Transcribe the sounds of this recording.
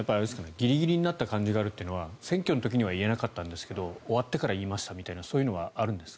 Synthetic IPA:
japːasɨ̥kaneɡʲiɾʲiɡʲiɾʲiɲ̟inat̪ːakãɲ̟d͡ʑiɡaːɾɯ̟t̪ːeɯ̟noβasẽ̞ŋkʲo̞not̪o̞k̬ʲiɲ̟iβaie̞nakat̪ːãnd̪e̞sɨ̥ke̞d̪o̞ːβat̪ːe̞kaɾaiːmaɕi̥t̪amʲit̪ainaso̞ːjɯ̟no̞βaaɾɯ̟̃nd̪e̞sɨ̥

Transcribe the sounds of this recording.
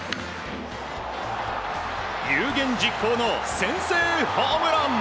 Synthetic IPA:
jɯːɡẽ̞ɲ̟d͡ʑikʰːoːnosẽ̞ɰ̃seːɸamɯɾan

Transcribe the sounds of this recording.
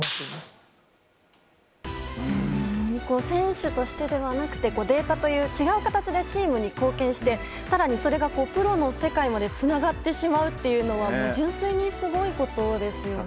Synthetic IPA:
t̪emas | ɲiko̞ːsẽ̞ɰ̃ɕɨt̪o̞ɕi̥t̪e̞d̪e̞βanakɯ̟̥t̪e̞ko̞ːd̪e̞ːt̪at̪o̞jɯ̟ːt͡ɕiɡaɯ̟kat̪at͡ɕid̪e̞t͡ɕiːmɯ̟ɲ̟iko̞ːkẽ̞ɰ̃ɕi̥t̪e̞ | saɾaɲ̟iso̞ɾe̞ɡako̞ːpɯ̟ɾo̞no̞se̞kaimad̪e̞t͡sɨnaɡat̪ːe̞ɕimaɯ̟t̪ːe̞jɯ̟no̞βamo̞ːʑɨ̃ɰ̃seiɲ̟isɨɡo̞iko̞t̪o̞d̪e̞sɨjo̞

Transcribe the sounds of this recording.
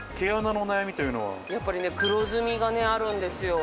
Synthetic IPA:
kʰeananoːnajamʲit̪ojɯno̰βa̰jap͈ːaɾinekɯɾod͡ʑɯmiɡaneaɾɯnd̪es͈ʰɯjo

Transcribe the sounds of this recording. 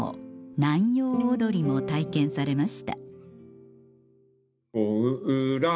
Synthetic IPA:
o̰nãjo̞ːd̪o̞ɾʲimo̞t̪aikẽ̞ɰ̃saɾe̞maɕi̥t̪a̰ | oɯɾa

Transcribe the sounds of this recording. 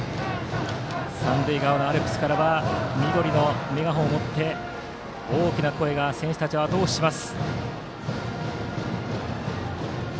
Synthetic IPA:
sãndɯiɡaonoaɾɯkɯ̟sɨ̥kaɾaβamʲid̪o̞ɾʲino̞meɡaɦõːmo̞t̪ːe̞ | oːkʲinako̞e̞ɡasẽ̞ɰ̃ɕi̥t̪at͡ɕiβat̪o̞ːɕi̥ɕimasɨ̥

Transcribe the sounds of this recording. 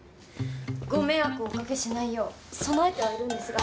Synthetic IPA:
ɡo̞me̞akɯ̟okake̞ɕinaijoː | so̞noaet̪eβaeɾɯ̟̃nd̪e̞sɨɡa

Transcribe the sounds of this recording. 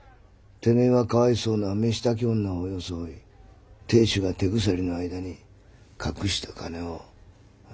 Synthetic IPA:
t̪e̞neβakaβaiso̞ːname̞ɕi̥t̪ak̬ʲõnːaojo̞soi | t̪e̞ːɕɨɡat̪e̞ɡɯ̟s̬aɾʲino̞aid̪aɲ̟i | kʰakɯ̟ɕi̥t̪akʰane̞o

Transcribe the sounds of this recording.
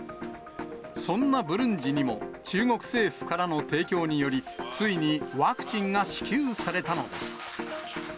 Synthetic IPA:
sõ̞nːabɯ̟ɾɯ̟̃ɲ̟d͡ʑiɲ̟imo̞t͡ɕɨːŋo̞kɯ̟̥se̞ːɸɯ̟̥kaɾano̞t̪e̞ːkʲo̞ːɲ̟ijo̞ɾʲit͡sɨiɲ̟iβaːkɯ̟̥t͡ɕĩŋɡaɕi̥kʲɨːsaɾe̞t̪ano̞d̪e̞sɨ̥

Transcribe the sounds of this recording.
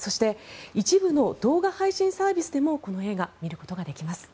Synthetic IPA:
so̞ɕi̥t̪e̞it͡ɕibɯ̟no̞d̪̥o̞ːɡahaiɕĩɰ̃saːbʲisɨd̪e̞mo̞ko̞no̞e̞ːɡamʲiɾɯ̟ko̞t̪o̞ɡad̪e̞kʲimasɨ̥

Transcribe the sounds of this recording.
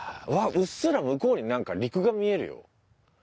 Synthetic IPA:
βaʔɯ̟sːɯɾamɯ̟ko̞ːɲ̟inãŋkaɾʲikɯ̟ɡamʲie̞ɾɯ̟jo̞̰

